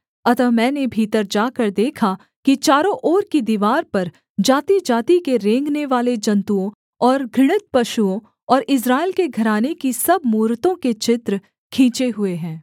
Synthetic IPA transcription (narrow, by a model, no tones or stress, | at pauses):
ɐt̪əmɛ̃ːnebʱiːt̪əɾd͡ʒaːkəɾd̪eːkʰa | kit͡ʃaːɾõʔɔːɾkid̪iːʋaːɾpɐɾ | d͡ʒaːt̪id͡ʒaːt̪ikeɾẽːŋɡneʋaːled͡ʒɐ̃nt̪uõ | ɔːɾɡʱɪɽ̃ɪt̪̚pɐʃuõ | ɔːɾɪs̬ɾaːɪlkeɡʱɐɾaːnekisɐbmuːɾt̪õket͡ʃɪt̪ɾə | kʰĩːt͡ʃeɦʊeɦɛ̃ː